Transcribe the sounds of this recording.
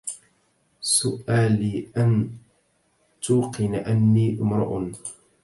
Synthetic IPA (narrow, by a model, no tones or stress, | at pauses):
sʊʔaːliːʔan | t̪uːqɪnaʔanːiːʔɪmɾˤɑ̰ʔʊn